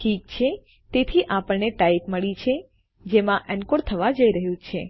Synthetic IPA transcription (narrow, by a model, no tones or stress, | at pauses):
ʈʰikt͡ʃʰe | t̪et̪ʰiʔapəɭneʈaipməɭit͡ʃʰe | d͡ʒemãʔɛnkoɾt̪ʰəʋad͡ʒəiɾəɦjũt͡ʃʰe